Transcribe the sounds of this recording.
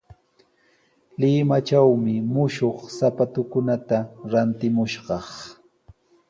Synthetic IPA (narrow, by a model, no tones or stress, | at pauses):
lɪmat͡ʃawmɪmʊʃoχsapat̪ʊkʊnat̪aɾant̪ɪmʊʃɢɑχ